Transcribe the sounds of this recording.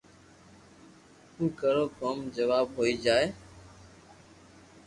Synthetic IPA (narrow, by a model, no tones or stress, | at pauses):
ũːkəɽoːkəmd͡ʒəʋaːbɦoːiːd͡ʒaːeː